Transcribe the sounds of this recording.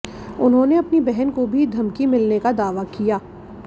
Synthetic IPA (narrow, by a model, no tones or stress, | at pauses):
ʊnɦõneɐpnibɛɦɛnkobʱid̪ʱɐmkimɪlnekad̪aːʋakijaː